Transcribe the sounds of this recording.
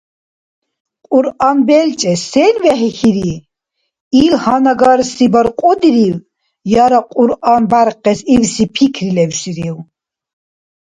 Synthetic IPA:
qʼuɾanbɛlt͡ʃʼɛsɛlvɛɦɛxiɾi | ilhanaɡaɾsibaɾqʼɔd̪iɾiw | jaɾaqʼuɾanbaɾqɛsiwsipʰikʰɾilɛwʃiɾiw

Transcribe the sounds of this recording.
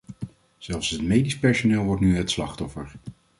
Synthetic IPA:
z̥ɛlˠfsɦətmejdispɛɹsonɪːlˠʋɔɹtnyɦətslɑχtɔfəɹ

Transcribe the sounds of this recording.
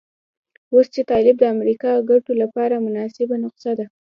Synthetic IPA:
ost͡ʃet̪ɑlɪb̚d̪əamɾikɑɡaʈolapɑɾamʊnɑsɪbanʊqsad̪a

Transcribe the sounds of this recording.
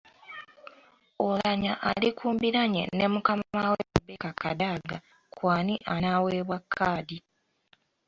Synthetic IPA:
olaɲaʔalikuːmbiɾaɲḛnemukamamawemubekaka̰daːɡa | kwaːniʔanaːweːβwakʰːaːdi

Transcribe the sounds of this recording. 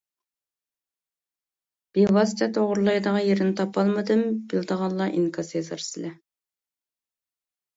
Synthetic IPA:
b̥iwɑst͡ʃʰɑt̪ʰoʁʊɾlˠɑjd̪əʁɑjeɾɪnɪt̪ʰɑpɑlˠmɨd̪ɨmb̥ilˠd̪əʁɑnlˠːɑʔiŋkʰɑsezɨɾsɨlɛ

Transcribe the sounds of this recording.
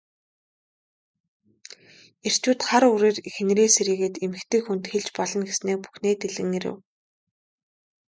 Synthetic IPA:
er̥t͡ɕuːt̪χaɾuɾeːrix̆nɾeːseɾiːɣeːt̪emɘ̆kt̪ɘ̆kxunt̪xeɮt͡ɕpɔɮɞ̆nɡesneːk̚pu̥xneːt̪eɮɘ̆ŋeɾɘ̰̆w

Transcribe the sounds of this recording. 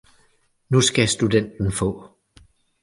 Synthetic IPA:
nusɡ̥æsd̥uden̰d̥n̩fɔ̰̽ː

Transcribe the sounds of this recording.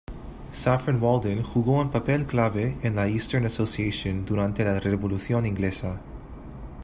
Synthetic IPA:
safenwold̪ẽnxuɣoenpapelklaβeenlaist̪əɾnasosiesõnd̪uɾãnt̪elareβoluθjõnĩŋɡlesa

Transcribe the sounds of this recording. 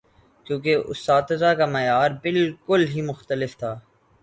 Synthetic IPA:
kjũːk̬eʔʊ̰st̪aːt̪ɪzakamɛjaːɾbɪlkʊlɦimʊxt̪əlɪft̪ʰaː

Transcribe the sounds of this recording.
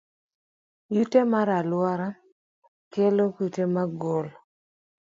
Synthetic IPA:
jutemaɾalwaɾa | kelokutemaɡol

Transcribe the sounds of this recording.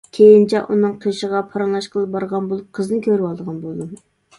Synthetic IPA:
kʲʰejint͡ʃʰɛʔunɨŋqʰiʃəʁɑpʰɑɾɑŋlˠɑʃqʰəlˠɨp̚bɑɾʁɑnboul̚ˠqʰəznɨkʲʰøɾwɑlˠd̪əʁɑnbolˠd̪ɨm

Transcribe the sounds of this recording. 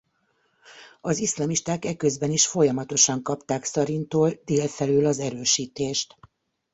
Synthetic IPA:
ɒzislɒmiʃt̪aːkɛkøzbɛniʃfo̞jɒmɒt̪o̞ʃɒŋkɒpt̪aːksɒɾint̪oːld̪eːlfɛlyːlɒzɛɾøːʃiːt̪eːʃt̪

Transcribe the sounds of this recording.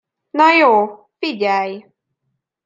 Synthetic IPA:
najo | pidʲaj

